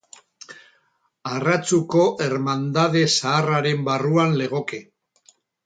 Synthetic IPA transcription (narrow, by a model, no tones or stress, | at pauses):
arat͡suko̞ʔe̞ɾmand̪aðe̞saːraɾe̞mbaruanle̞ɣ̞o̞ke